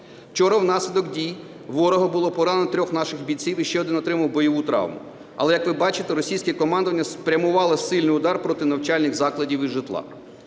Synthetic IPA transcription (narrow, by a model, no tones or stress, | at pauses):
t͡ʃɔɾɐwnɑsʲlʲɪd̪ɔkdʲij | ʋɔɾɔɦɔbʊlˠɔpɔɾɑnnɔt̪ɾʲɔxnɑʃɪxbʲit͡sʲiwiʃt͡ʃɛɔd̪ɪnɔt̪ɾɪmɐwbɔjɔʋut̪ɾɑ̰wmʊ̰ | ɐ̰lˠɛjɐkʋɪbɑt͡ʃɪt̪eɾɔsʲijsʲkɛkɔmɑnd̪ɔʋɐnʲːɐspɾʲɐmʊʋɑlˠɪsɪlʲnɪjʊd̪ɑrpɾɔt̪ɪnɐwt͡ʃɑlʲnɪɣzɑklˠɐdʲiwiʒɪt̪lˠɑ̰